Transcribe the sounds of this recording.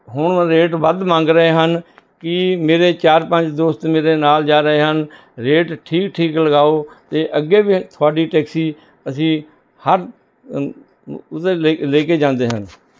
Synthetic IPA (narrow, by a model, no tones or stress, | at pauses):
ɦʊɳɾeːʈʋəd̪mãːŋɡɾəeːɦənkɪmeːɾeːt͡ʃaːɾpəɲd͡ʒd̪oːst̪meːɾeːnaːld͡ʒaːɾəɦeːɦən | ɾeːʈʈʰiːkʈʰiːkləɡaːoːt̪eːʔəɡːeːbit̪ʰʊaːɖiːʈɛːksiː | əsĩː | həɾ | t̪eleːkeːd͡ʒãːnd̪eːɦən